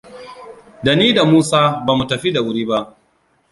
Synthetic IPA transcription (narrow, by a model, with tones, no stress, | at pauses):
da˨niː˦da˨muː˦saː˦baː˨mu˨tɐ˨ɸi˦da˨wʊ˦ɾiː˦ba˦ʔ